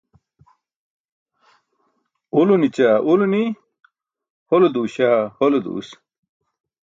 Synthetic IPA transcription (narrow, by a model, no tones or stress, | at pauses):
ulunit͡ɕaːʔuluni | holod̪uːɕaːholod̪ṵːs